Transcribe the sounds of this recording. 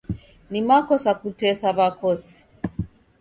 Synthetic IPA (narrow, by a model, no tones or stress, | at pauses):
nimakɔsakutɛsavakɔsi̥